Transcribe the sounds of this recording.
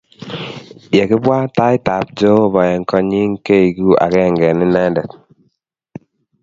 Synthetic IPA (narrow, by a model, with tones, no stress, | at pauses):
je˨kɪ˦bwa˦ta˦i˦ta˨p̚d͡ʒo˦˨βɔ˨jɛ˨ŋkɔ˦ɲi˦ŋke˦i˨ɡu˦a̰˨kɛ˦˨ŋɡɛ˨nɪ˦nɛ˦ndɛ˨t̚